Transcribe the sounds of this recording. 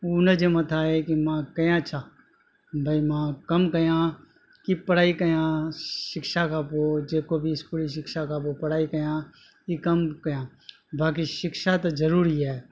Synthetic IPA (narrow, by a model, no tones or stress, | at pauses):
unəd͡ʒemət̪ʰaːekimãːkəjãːt͡ʃʰaː | bʱəimãːkəmkəjãː | kipəɽ̤aːikəjãːʃɪkʃaːkaːpoːd͡ʒeːkoːbʱiɪskuːliʃ̬ɪkʃaːkaːpopəɽ̤aːikəjãː | ikəmkəjãː | baːk̬iʃɪkʃat̪ozəɾuːɾiɛː